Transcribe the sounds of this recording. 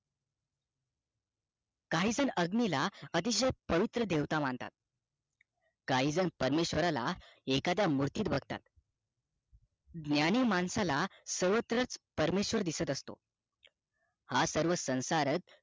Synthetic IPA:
kaɦiːd͡zənəɡnilaət̪̬iɕəjpəʋit̪ɾəd̪eʋt̪amaɳt̪a̰t̪̚ | kaɦiːd͡zənpəɾmeɕʋəɾala̰ekat̪jamuɾt̪iːt̪̚bʱəɡʱt̪a̰t̪ | ɡnjaniːmansalasəɾʋət̪ɾat͡spəɾmeɕʋəɾd̪isət̪əst̪o̰ | hasəɾʋəsə̃w̃saɾət̪̚

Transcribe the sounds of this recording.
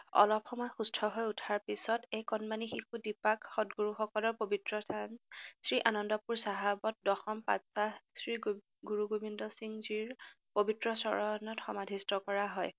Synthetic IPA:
ɔ̰lɔpxɔmɔjxustʰɔɦojutʰaɹpisɔtejkɔnmanixixudipakxɔtɡuɹuxɔkɔlɔɹpobitɹɔansɹiʔanɔndɔpuɹsaɦabɔt̚dɔxɔmpa̰tsasɹi | ɡuɹuɡobindɔsiŋziɹ | pobitɹɔsɔɹɔnɔtxɔmadʱistɔkɔɹaɦɔj

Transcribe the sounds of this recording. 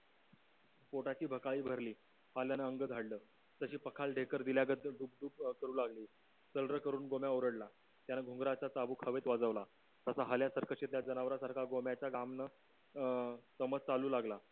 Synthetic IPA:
poʈat͡ɕiːbʱəkaɭiːbʱəɾliː | haljanəəŋɡəd͡z̪ʱaɽləː | t̪əɕiːpəkʰalɖʱekəɾd̪iljaɡət̪ɖuːp̚ɖuːpkəɾuːlaɡliː | səlɾəkəɾuːnɡomjaoɾəɽla | t̪janəɡʱuŋɡɾat͡ɕat͡sabuːkʰəʋet̪ʋad͡zəʋla | t̪asaɦəljasəɾkʰəɕet̪ljad͡zənaʋɾasaɾkʰaɡomjat͡ɕjaɡamnə | təmət͡st͡saluːlaɡla

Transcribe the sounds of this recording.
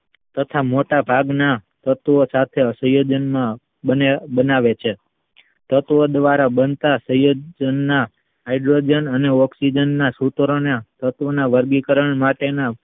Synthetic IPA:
t̪ət̪ʰamoʈabʱaɡnat̪ət̪ʋosat̪ʰeəsə̃jod͡ʒənmã | əbənaʋet͡ʃʰe | t̪ət̪ʋəd̪ʋaɾabənt̪asə̃jod͡ʒənːa | ajɖɾod͡ʒənəneɔksid͡ʒənːasut̪ɾonat̪ət̪ʋənaʋəɾɡikəɾəɳmaʈena

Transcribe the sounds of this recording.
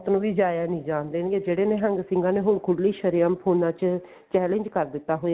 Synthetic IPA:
t̪nũːʋiːd͡ʒaːjaːnĩːd͡ʒaːnd̪eːnɡeːd͡ʒeːɽeːnẽːɦəŋɡsɪ̃ŋɡãːneːɦʊːɳkʰʊɽliːʃəɾijãːmpʰoːnãːt͡ʃ | t͡ʃɛːlẽɲd͡ʒkəɾd̪ɪt̪ːaːɦoːja

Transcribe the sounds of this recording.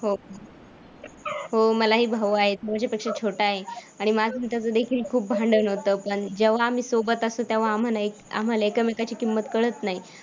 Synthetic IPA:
ho | ɦoməlaɦiːbʱaʋuaɦet̪em̤at͡ɕjapekʂat͡ɕʰoʈaːɦeaɽ̃imad͡zʱənt̪jat͡səd̪ekʰiːlkʰuːp̚bʱãɳɖənɦot̪əːpəɳd͡ʑəʋ̤aːm̤iːsobət̪asot̪jaʋ̤aːm̤alaeka̰m̤alaekəmekat͡ɕiːkimːət̪kəɭət̪naɦi

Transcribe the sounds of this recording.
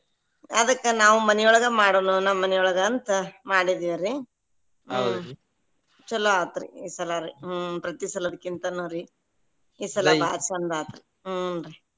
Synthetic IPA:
ɐd̪ɐkːenaːʋumɐnɛjɔɭɐɡɐmaːɽoːnunɐmːɐnɛjɔɭɐɡɐːnt̪ɐmaːɽid̪iʋɐɾi | t͡ʃɐlːoaːt̪ɾḭiːsɐlɐɾipɾɐt̪isɐlɐd̪ɐkːint̪ɐnoːɾi | iːsɐlɐba̰ːt͡ʃɐnd̪aːt̪ɾi | ɾi

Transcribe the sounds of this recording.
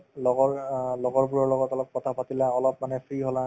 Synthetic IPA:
lɔɡɔɹlɔɡɔɹp̬uɹɔɹlɔɡɔtɔlɔp̚kɔtʰapatilɛɔlɔpmanɛpʰɹiɦɔla

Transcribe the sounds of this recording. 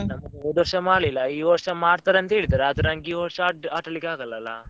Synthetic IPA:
nɐmːɐɡd̪ʋɐɾʂɐmaːɽlilːɐiːʋɐɾʂɐmaːɽt̪aːɾeɐnt̪ɐɦeːɭid̪aːɾeɐd̪unɐŋɡiːʋɐɾʂɐːʈaːʈɐlikeaːɡɐlːɐlːa̰

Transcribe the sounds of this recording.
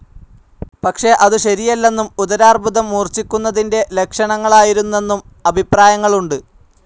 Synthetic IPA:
pɐkʂe̞ʔɐðɨɕɐɾijɐlːe̞nːumuðɐɾaːrbʱuðɐmːuːrt͡ɕːikʲːunːɐðinde̞le̞kʂɐɳɐŋːɐɭaːjiɾunːe̞nːum | ɐbʱipraːjɐŋːɐɭuɳɖɨ

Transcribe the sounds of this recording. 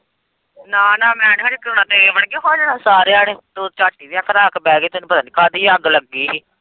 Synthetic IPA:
naːnãːmɛ̃ːnaːɾikɾoːnãːt̪eːʋəɳɡeːɦoːd͡ʒaːnãːsaːɾeːaːɽeːt̪oːt͡ʃaːt͡ʃkiːdiakʰnaːkbɛːɡeːt̪eñːpət̪aːniːkʰaːd̪iːəɡləɡːiːɦiː

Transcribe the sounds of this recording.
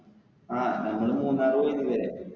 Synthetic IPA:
aːnɐŋːɐɭɨmuːnːaːroːjiniʋɐɾe

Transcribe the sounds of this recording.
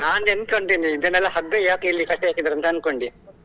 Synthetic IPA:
naːnenkoɳʈ̪iːniːd̪ɐnɛlːɐhɐɡejaːkeilːikɐʈːeɦaːkid̪ɐɾɐnt̪ɐɐnko̞ɳɖi

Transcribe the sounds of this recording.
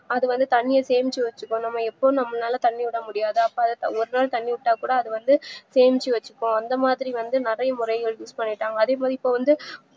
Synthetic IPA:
ɐðɯʋɐnd̪ɯt̪ɐɳːɪjɐseːmɪt͡ʃːiʋɐt͡ʃːɯkːʊ̃nɐmːɐɛpːoːnɐmːɐnaːlɐt̪ɐɳːiʊɽɐmʊɽɪjaːðɯɐpːoːɐðɐt̪ɐɔɾɯnaːlt̪ɐɳːiʋʊʈːaːkuːɽɐːðɯʋɐnd̪ɯseːmɪt͡ʃːiʋɐt͡ʃːɯkːʊ̃ɐnd̪ɐmaːðɪɾiʋɐnd̪ɯnɪrɐjɐmʊɾɐɪɣɐɭjuːspɐɳːɪʈːaːŋɡɐːðeːmaːðɾɪpːoːʋɐnd̪ɯ

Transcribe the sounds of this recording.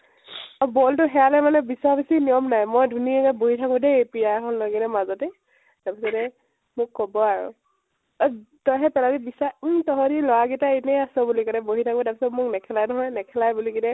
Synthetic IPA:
ɔbɔltʊɦɛalɛmanɛbisaabisinijɔmnajmɔjdʱuniɛkaboɦitʰakʊ̃deepijakʰɔnlɔɡinɛmazɔtɛ | taɹpisɔtɛ | mʊkːɔbɔaɹʊ̰ | tɔjɦɛpɛladibisatɔɦɔɾilɔwaɡitaenɛasɔbulikaɹnɛboɦitʰakũtaɹpisɔtmʊknɛkʰɛlajnɔɦɔjnɛkʰɛlajbuliɡinɛ

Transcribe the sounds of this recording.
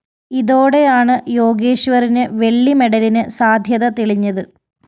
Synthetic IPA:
iðo̞ːɽe̞jaːɳɨjo̞ːɡeːɕʋɐrinɨʋe̞ɭːimeɽɐlinɨsaːd̪ʱjɐðɐt̪iɭiɲːɐðɨ

